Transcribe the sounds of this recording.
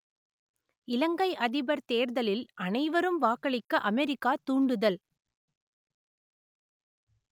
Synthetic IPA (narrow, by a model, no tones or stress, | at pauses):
ɪlɐŋɡɐɪʔɐðɪbɐɾt̪eːɾðɐlɪlʔɐnɐɪʋɐɾɯmʋaːkɐɭɪkːɐʔɐmɛɾɪkːaːt̪uːɳɖɯðɐl